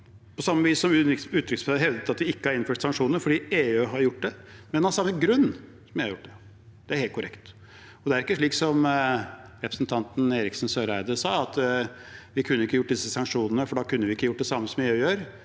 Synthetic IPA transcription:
pʰɔsɑmːəʋiːsːɔmʉːt̪ʰɾʏksføɦɛʋd̪ət̪ɑt̪̚ʋɪɪkːəɑɾɪnfœʂsɑŋkʂuːnəɾfɔɖiːeːøːɦɑɾjʊʈːd̪ɛmɛnɑɾsɑmːəɡɾʉnː | sɔmjæhɑɾjʊʈ̚ːd̪ɛ | d̪̥ɛæɾheːlt̪̚kʰʊɾɛ̰kt̪ | ɔd̪ɛæɾɪkːəʂɭiːksɔm | ɾɛpɾəsn̩t̪ʰɑnt̪n̩eːɾɪksnsøːɾæɪd̪əsɑːɑt̪ | ʋɪkʰʉnːəɪkːəjʊʈ̚ːd̪ɪsːəsɑŋkʂuːnənəfɔɖɑkʰʉnːəʋɪɪkːəjʊʈ̚ːd̪ɛsɑmːəsɔmɛøːjøːɾ

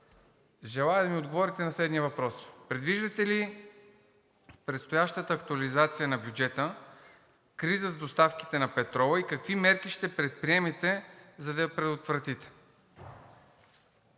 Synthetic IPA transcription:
ʒɛlˠajəd̪ɐmiod̪ɡovɔɾit̪ɛnɐslɛd̪nʲiəvɐpɾɔspɾɛd̪viʒd̪ɐt̪ɛli | fpɾɛt̪st̪ojaʃt̪ət̪əːkt̪uɐlizat̪sijənɐbjud͡ʒɛt̪ə | kɾizəzɐd̪ost̪afk̟i̥t̪ɛnɐpɛt̪ɾɔvəikɐkvimɛɾkiʃt̪ɛpɾɛt̪̚pɾiɛmɛt̪ɛzɐd̪ɐpɾɛd̪ot̪vɾɐt̪it̪ɛ̥

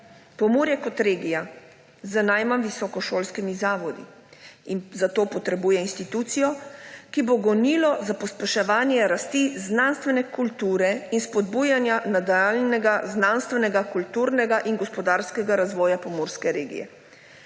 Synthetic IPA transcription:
pɔmoɾjɛkɔt̪ɾeːɡija | zənajmamʋisɔkɔʃoːlskimizaːʋɔd̪ḭ | inzat̪oːpɔt̪ɾɛbuːjɛinst̪it̪uːt̪sijɔkiboɡɔniːlɔzapɔspɛʃɛʋaːnjɛɾast̪iznanst̪ʋɛnɛkult̪uːɾɛinspɔd̪buːjanjanad̪alnɛɡaznanst̪ʋɛnɛɡakult̪uːɾnɛɡaʔinɡɔspɔd̪aɾskɛɡaɾazʋɔːjapɔmoɾskɛɾeːɡḭjɛ̰

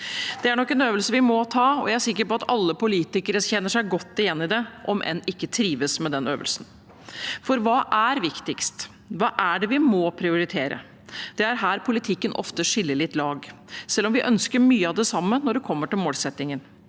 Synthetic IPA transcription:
d̪̥ɛæɳɔkːɛnøːʋəlsəʋɪmɔt̪ʰɑːɔ̰jææsɪkːəɾpɔɑt̪ɑlːəpʊliːt̪ɪkəɾəçɛnːəʂæɪɡɔt̪ːɪjɛnːɪd̪ɛʔɔmʔɛ̰nɪkːət̪ʰɾiːʋəsmɛd̪ɛnøːʋə̰lsən | fɔɾʋɑːʔæɾʋɪkt̪ɪkst̪ | ʋɑːʔæɖɛʋɪmɔpʰɾɪʊɾɪt̪ʰeːɾə̰ | d̪̥ɛæɾɦæːɾpʰʊlɪt̪ʰɪkːənʔɔ̰ft̪əʂɪlːəɭɪt̪ːlɑːɡsɛlːɔmʋɪʔœnskəɾmyːəɑʋd̪ɛsɑmːənɔɖɛkʰɔmːəʈɪlmoːlsɛt̪ːɪŋən

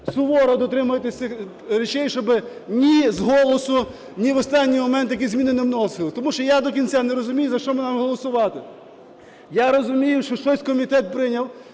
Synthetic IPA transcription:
sʊʋɔɾɔd̪ɔt̪ɾɪmʊjet̪ɪsʲɪ | ɾʲet͡ʃɛjʃt͡ʃɔbɪ | nʲizɦɔlˠɔsʊ | nʲiʋɔst̪ɑnʲːijmɔmɛnt̪jɐkʲizʲmʲinɪnɪmnɔsɪlˠt̪ɔmuʃt͡ʃɔjad̪ɔk̬ʲinʲt͡sʲanɛɾɔzʊmʲijʊzɐʃt͡ʃɔmɪnɑmɪɦɔlˠɔsʊʋɑt̪ɪ | jaɾɔzʊmʲijʊʃt͡ʃɔʃt͡ʃɔsʲkɔmʲit̪ɛt̪̚pɾɪnʲɐw

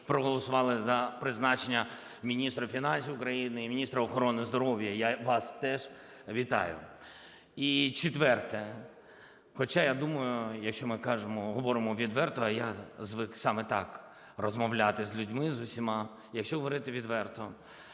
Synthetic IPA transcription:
pɾɔɦɔlˠɔsʊʋɑlˠɪzɐpɾɪznɑt͡ʃenʲːɐ | mʲinʲist̪ɾɐfʲinɑnʲsʲiwʊkɾɐjinɪimʲinʲist̪ɾɐɔxɔɾɔnɪzd̪ɔɾɔwjɐjaʋɑst̪ɛʒ | ʋʲit̪ɑ̰jʊ̰ | it͡ʃɪt̪ʋɛrt̪ɛ | xɔt͡ʃajad̪umɐjʊjɐkʃt͡ʃɔmɪkɑʒemɔɦɔʋɔɾɪmɔʋʲid̪ʋɛrt̪ɔɐjazʋɪksɑmɛt̪ɑk | rɔzmɔwlʲat̪ɪzʲlʲudʲmɪzʊsʲimɑ | jɐkʃt͡ʃɔɦɔʋɔɾɪt̪ɪʋʲid̪ʋɛrt̪ɔ

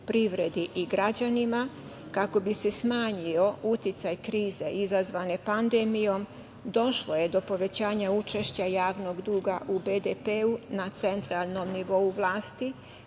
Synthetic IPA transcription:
pɾiʋɾe̞d̪iʔiɡɾad͡ʑanima | kako̞bise̞smaːɲiout̪jit̪sajkɾiːze̞ʔizazʋane̞pand̪emijo̞m | d̪o̞ʃlˠo̞je̞d̪o̞po̞ʋe̞t͡ɕaːɲaut͡ʃe̞ʃt͡ɕajaːʋno̞ɡd̪uːɡaʔubed̪epeunat̪se̞nt̪ɾalˠno̞mniʋo̞uʋlˠaːst̪i

